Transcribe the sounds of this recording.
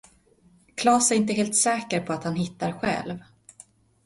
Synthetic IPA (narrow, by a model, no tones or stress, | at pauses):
kʰlɑːsɛɾɪnt̪əɦeːlt̪sɛːkəɾpʰɔat̪hanɦɪt̪ːaɾɧɛ̰lv